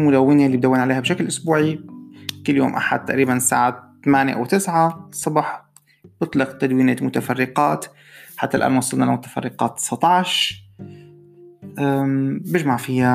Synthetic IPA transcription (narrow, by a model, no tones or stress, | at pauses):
mʊd̪awːɪnelːibd̪awːɪnʕaleːhabʃaklʔʊsbuːʕikɪlːjo̰ːmʔa̰ħa̰d̪̚t̪ːaʔɾiːbansa̰ːʕat̪amaːnjḛʔa̰wt̪ɪsʕasˤːɑbɑħ | b̥ɨt̪ˤlɪqt̪ad̪wiːnemʊt̪afarːɪqɑːt̪ | ħat̪ːalʔa̰ːnwɑsˤɨlnɑlmʊt̪ḁfɑ̰rˤːɪqɑ̰ːt̪̚ːɨ̥sɑt̪ˤɑʕʃ | ʔabɪʒmaʕfɪja